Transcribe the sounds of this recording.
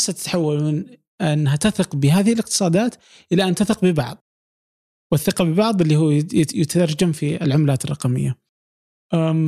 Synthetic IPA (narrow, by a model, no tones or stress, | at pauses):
sːat̪ɪ̥t̪ħawːalmɪn | ʔanːɦat̪aθɪqbɪɦaːðɪhɪlɪq̚t̪ɨ̥sˤɑːd̪aːt̪ | ʔɪlːaʔant̪aθɪqbɪbɑʕðˤ | wɪθːɪqɑbɪbɑʕðˤɪlːiːhuːjɪt̪ad̪ɑɾˤd͡ʒamfiɪ̰lʕʊmlaːt̪ɪrˤːɑqɑmɪ̰jːa | ʔa